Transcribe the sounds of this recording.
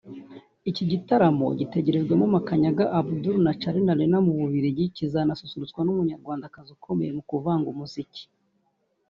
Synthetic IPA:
iciɟitaɾamo̞̰ɟite̞ɟe̞ɾe̞zɡwamumakaɲaɡaʔabuduɾnat͡ʃaɾinalinamuβuβiɾiɟicizanasusuɾut͡swanumuɲaɾɡwaːndakazukʰo̞mejemukuvaŋɡumuzici̥

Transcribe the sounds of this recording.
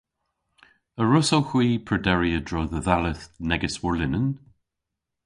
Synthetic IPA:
əɹʊsowxw̥iːpʰɹədɛɹiədɹɔðəðaləθnɛɡəswɔɹlɪnən

